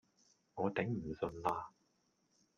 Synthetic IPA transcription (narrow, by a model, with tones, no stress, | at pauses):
ŋɔː˨˧t̪ɪ˨˥ŋm̩˨˩sɵ˧nlaː˧